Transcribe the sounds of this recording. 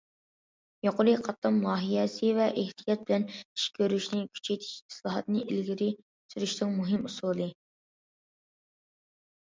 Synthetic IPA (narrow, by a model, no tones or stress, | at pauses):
joqʊɾiqʰɑt̪ːɑmːɑːɦijɛsɨvɛʔeht̪ʰijɑt̪̚bɪlɛni̥ʃkʲʰøɾyʃnɪkʲʰy̥t͡ʃʰejt̪ʰɪ̥ʃi̥slˠɑɦɑt̪nɨʔilɡʲɪɾɪ | syɾyʃnɨŋmuɦɪmusulˠɨ